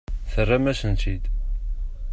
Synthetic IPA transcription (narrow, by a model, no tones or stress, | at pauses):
θərːamæsənt̪id̪